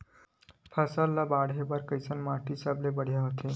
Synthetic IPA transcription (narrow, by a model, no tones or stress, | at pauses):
pʰəsəlːabaɽɦebəɾkəjsənmaʈisablebəɽ̤jaɦot̪ʰe